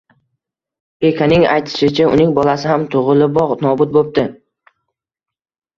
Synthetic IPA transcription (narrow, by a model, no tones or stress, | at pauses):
ekʲʰanɪŋa̰jt̪ʰɪ̥ʃɪt͡ʃʰaʊnɪŋbɒlasɪhamt̪ʰʊʁɨlɪbɒʁnɒbʊt̪̚bop̚t̪ɪ